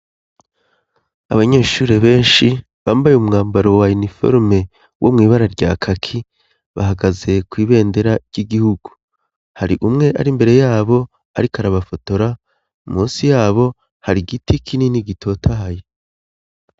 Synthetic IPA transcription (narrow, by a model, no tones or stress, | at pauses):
a̰βaɲe̞ːʃuːɾe̞βe̞ːnʃi | βaːmbajumŋaːmbaɾo̞wainifo̞̰ɾme̞ | wʔomŋiːβaɾaɾɟaːkʰakʰi | βa̰ɦaɡaze̞kwiːβe̞ːnde̞ɾaɟ̥iɡihuɡ̥u | haɾiʔumŋe̞ʔa̰ɾimbe̞ɾe̞jaːβo̞ | a̰ɾikaɾaβafo̞to̞ɾa | muːsijaːβo̞ | haɾiɡitʰikʰininiɡitʰo̞ːtʰaɦaje